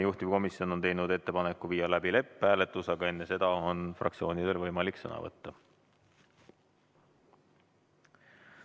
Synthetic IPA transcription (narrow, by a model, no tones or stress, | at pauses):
juht̪ivko̞misio̞no̞nt̪e̞jnud̪e̞t̪ːe̞pɑne̞kːˑuviːjɑlæbile̞pˑːæːlet̪ːˑusɑɡ̥ɑe̞nːe̞se̞d̪̥ɑo̞nfrʔɑ̰kt̪sio̞ːnid̪̥olʲvɤjmɑliksɤ̰nɑ̰vɤ̰t̪ːɑ